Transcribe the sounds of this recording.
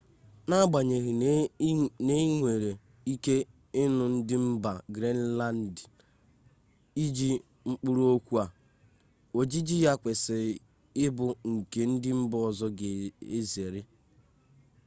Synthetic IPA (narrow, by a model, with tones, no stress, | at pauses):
na˦ɡ͡ba˨ɲe˨ɣɪ˨ | ne˦ŋʷe˨ɾe˨ | i˦ke˦ | ɪ˦nʊ˨n̩˦dɪ˦m̩˦ba˨ɡɾe˦n˦la˦n˦d | i˦d͡ʒi˦ | ŋ͡m̩˦k͡pu˦ɾu˦o˦kʷu˦a˨ | o˨d͡ʒi˦d͡ʒi˦ja˦kʷe˨sɪ˨ | ɪ˦bʊ˨ŋ̩˨ke˨n̩˦dɪ˦m̩˦bɔ˨zɔ˦ɡe˨e˦ze˨ɾɪ˦